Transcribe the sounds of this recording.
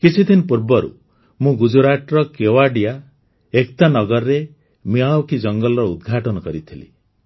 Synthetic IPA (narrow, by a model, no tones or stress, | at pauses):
kit͡ʃʰid̪ʰinɔpuɾbɔɾṵ | mũɡud͡ʒuɾaʈɾɔkewaɖija | ekt̪anɔɡɔɾɾe | miawkid͡ʒɔŋɡɔlɔɾɔud̪ɡʱaʈɔnɔkɔɾit̪ʰilḭ